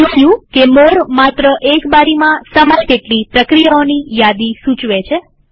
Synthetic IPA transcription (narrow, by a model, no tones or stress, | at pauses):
uʃjũkeməɾmat̪ɾəʔekbaɾimãsəmalkeʈlipɾəkɾijaonijad̪isũt͡ʃʋet͡ʃʰe